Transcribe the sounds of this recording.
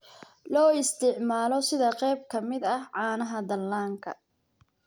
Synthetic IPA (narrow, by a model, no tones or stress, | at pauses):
lɔːɪst̪ʰɪʕmaːlɔsɪðɐqɛjb̚kʰɐmɪd̪ɐhʕɑːnɐɦɐd̪ɐlːaːŋkʰɐ̰